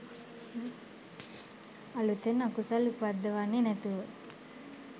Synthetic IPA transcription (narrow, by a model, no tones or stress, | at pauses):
ɐlut̪enakusalupad̪ːəʋanːenɛt̪uʋə